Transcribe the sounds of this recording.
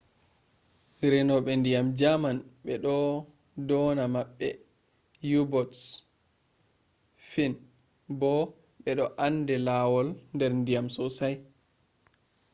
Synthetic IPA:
ɾɛnɔɓɛndijamd͡ʒamanɓɛɗɔ | dɔnamaɓːɛ | jubɔts | fin | bɔ | ɓɛɗɔʔandɛlawɔlndɛɾndijamsɔsaj

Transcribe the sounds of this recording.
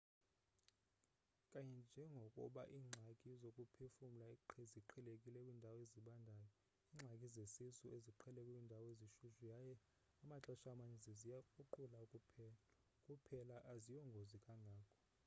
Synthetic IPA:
kʼaɲɛnd͡ʒʱɛŋɡʱɔkʼṵɓa̰ʔiːŋ͡ǀʱakʼizokʼupʰefum̩laiǃʰɛziǃʰɛlekʼilɛkʼwiːndʱawɔeziɓandʱaːjɔ | iːŋ͡ǁʱakʼizesisueziǃʰɛlɛkʼɛwiːndʱawɔeziʃuʃujajɛ | amat͡ɬʼɔʃaːmaɲɛzizijauǃulakʼu | kʼupʰɛlaʔazijɔŋɡʱozikʼaŋʱaːkʰɔ̥

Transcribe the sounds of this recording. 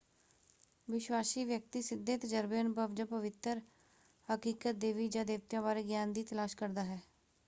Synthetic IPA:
ʋɪʃwaːsiːʋjək̚t̪iːsɪd̪ːeːt̪əd͡ʒəɾbenbəʋd͡ʒəpəʋɪt̪əɾ | həkiːkət̪̚d̪eːʋiːd͡ʒãːd̪eːʋt̪jãːbaːɾeːɡjaːnd̪iːt̪əlaːʃkəɾd̪aːɦɛː

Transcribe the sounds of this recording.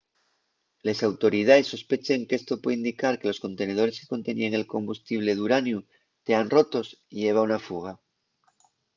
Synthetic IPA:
le̞sawt̪o̞ɾið̞aesːo̞spe̞t͡ʃeŋke̞st̪o̞pweðind̪ikaɾke̞lo̞sko̞nt̪e̞ne̞ðo̞ɾe̞se̥ko̞nt̪enieŋe̞lko̞mbust̪iβ̞le̞ðuɾanju | t̪e̞anro̞t̪o̞siʝe̞β̞aunafuɣ̞a

